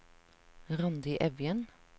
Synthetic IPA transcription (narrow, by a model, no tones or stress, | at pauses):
ʁɑnd̪ɪʔɛʋjən